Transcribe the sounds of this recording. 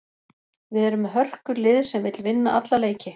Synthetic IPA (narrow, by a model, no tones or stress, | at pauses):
vɪðɛɾʏmɦœr̥kʏlɪðsɛmvɪt̪lvɪnːaʔat̪laleːjcɪ